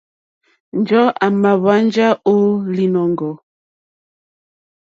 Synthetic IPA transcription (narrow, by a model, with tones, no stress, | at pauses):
n̩˨d͡ʒɔ˦a˨ma˨βa˦n˦d͡ʒa˦o˦li˨nɔ˨ŋ˨ɡɔ˨